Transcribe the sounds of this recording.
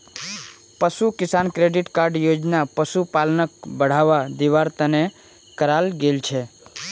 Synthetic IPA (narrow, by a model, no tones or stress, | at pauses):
pəsukisankɾeɖiʈkaɾɖjod͡ʒnapəsupalnək̚bəɽ̤aʋad̪iʋaɾt̪əne | kəɾalɡelt͡ʃʰɛ